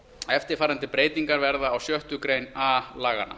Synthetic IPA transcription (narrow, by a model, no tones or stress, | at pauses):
ɛft̪ɪɾfaːɾant̪ɪpɾeːjt̪iŋkaɾvɛɾðaːwsjœht̪ʏkɾejnalaːɣa̰na̰